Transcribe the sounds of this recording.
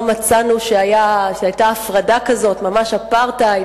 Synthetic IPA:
mat͡sanuʃeajaʃeajtaːfʁadakazo̞tmamaʃapaʁta

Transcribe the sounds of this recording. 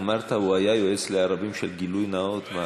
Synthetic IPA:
maɾt̪ʰawajajoesleaɾˤɑbimʃalɡilujnaot̪ma

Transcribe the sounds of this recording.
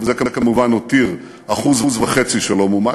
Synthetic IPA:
vzekakamuvanot̪iʁ | aχuzvzvaχe̞t͡siʃalo̞muma

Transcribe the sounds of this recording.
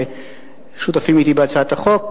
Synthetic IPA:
ʃut̪afimit̪ibeat͡saat̪aχok̚

